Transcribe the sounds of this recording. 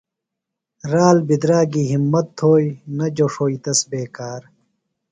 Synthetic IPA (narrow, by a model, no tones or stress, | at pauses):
ɾaːlbid̪ɾaːɡiːɦimːɐt̪ʰːoːinɐd͡ʑoʂoːit̪ɐsbeːkaːɾ